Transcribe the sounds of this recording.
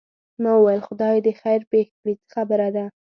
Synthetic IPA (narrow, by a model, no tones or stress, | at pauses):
mɑwəwajəlxʊd̪ɑjd̪əxajɾpexpɽit͡sə̥xabəɾad̪a